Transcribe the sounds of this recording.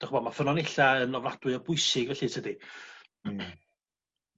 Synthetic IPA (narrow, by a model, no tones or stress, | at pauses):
d̥aχəbɔd̚mafənɔnɪɬaənɔvlad̥wɨɔbʊɨsɪɡvɛɬɨtʰədi